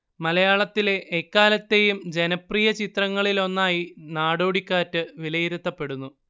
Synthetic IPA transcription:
mɐlɐjaːɭɐt̪ːile̞ʔːkːaːlɐt̪ːe̞jumd͡ʑe̞nɐprijɐt͡ɕit̪rɐŋːɐɭilo̞nːaːjinaːɽo̞ːɽikʲːaːtːɨʋilɐjiɾut̪ːɐpːe̞ɽunːu

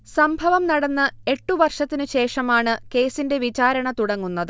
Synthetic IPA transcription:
sɐmbʱɐʋɐmnɐɽɐnːɐe̞ʈːuʋɐrʂɐt̪ːinɨɕe̞ːʂɐmaːɳɨke̞ːsinde̞ʋit͡ɕaːɾɐɳɐt̪uɽɐŋːunːɐðɨ

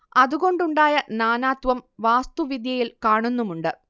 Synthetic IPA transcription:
ɐðuɣo̞ɳɖuɳɖaːjɐnaːnaːt̪ʋɐmʋaːst̪uʋid̪jɐjilkaːɳunːumuɳɖɨ

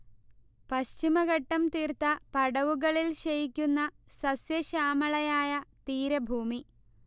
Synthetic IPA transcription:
pɐɕt͡ɕimɐɣɐʈːɐmt̪iːrt̪ɐpɐɽɐʋuɣɐɭilɕɐjikʲːunːɐ | sɐsjɐɕaːmɐɭɐjaːjɐt̪iːɾɐbʱuːmi

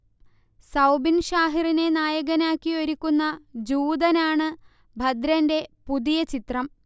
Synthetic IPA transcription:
sɐwbinɕaːɦirine̞naːjɐɣɐnaːkːioɾikʲːunːɐd͡ʑuːd̪ɐnaːɳɨ | bʱɐd̪ɾɐnde̞pud̪ijɐt͡ɕit̪rɐm

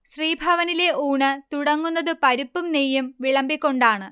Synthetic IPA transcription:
ɕriːbʱɐʋɐnile̞uːɳɨt̪uɽɐŋːunːɐðɨpɐɾupːumnejːumʋiɭɐmbikʲːo̞ɳɖaːɳɨ

